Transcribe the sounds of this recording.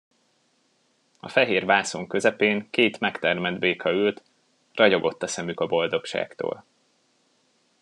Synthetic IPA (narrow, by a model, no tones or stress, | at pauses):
ɒ̰fɛɦeːrvaːsoŋkø̞zɛpeːŋkeːt̪mɛkt̪ɛrmɛd̪beːkʰɒylt̪ | rɒɟo̞ɡo̞t̪ːɒsɛmykɒbo̞ld̪o̞kʃa̰ːkt̪o̰ːl